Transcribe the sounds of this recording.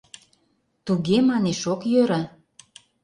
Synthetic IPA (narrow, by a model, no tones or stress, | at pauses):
t̪uɣemɑneʃokjøɾa